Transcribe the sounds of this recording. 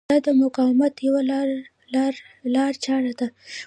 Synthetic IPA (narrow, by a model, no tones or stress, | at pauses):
ɑd̪əmʊqɑwmat̪jawal | lɾ | lɑɾt͡ʃɑɽad̪a